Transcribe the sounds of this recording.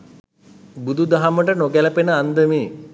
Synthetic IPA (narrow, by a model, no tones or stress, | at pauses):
bud̪ud̪aɦaməʈənoɡæləpenəand̪əmeː